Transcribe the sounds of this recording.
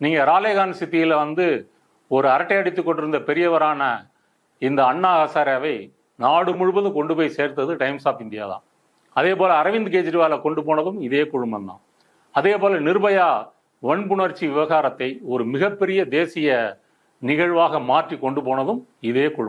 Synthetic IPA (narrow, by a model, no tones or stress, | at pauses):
niːŋɡɐɾaːleːɣaːnsɪt̪ːɪjɪlʋɐnd̪ɯ | ɔɾɯɐɾɐʈːɐjɐɽɪt̪ːɯkːɔɳɖɪɾɯnd̪ɐpɛɾɪjɐʋɐɾaːnɐ | ɪnd̪ɐːɳːaːɣɐsaːɾɐʋɐɪ | naːɽɯmʊɻɯbɐðɯ̃kɔɳɖɯpoːjseːɾt̪ːɐðɯʈɐɪmsaːpɪnd̪ɪja̰ːðã̰ː | ɐðeːpoːlɐːɾɐʋɪnd̪ɯkeːd͡ʒɾɪʋaːlɐkɔɳɖɯpoːnɐðɯmɪðeːkʊɻɯmɐnd̪ã̰ː | ɐðeːpoːlɐnɪɾɯbɐjaː | ʋɔɳpʊɳɐɾt͡ʃːiʋɪʋɐɣaːɾɐt̪ːɐɪɔɾɯmɪɣɐpːɛɾɪjɐd̪eːsɪjɐ | nɪɣɐɻʋaːɣɐmaːʈrikɔɳɖɯpoːnɐðɯmɪðeːkʊɻ